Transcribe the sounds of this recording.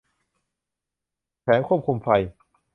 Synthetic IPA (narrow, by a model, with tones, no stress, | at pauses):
pʰɛː˩˦nkʰu˥˩p̚kʰu˧mfa˧j